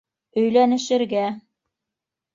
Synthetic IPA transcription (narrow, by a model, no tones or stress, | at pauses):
ɵ̆jlænɘ̆ʃɘ̆ɾɡæ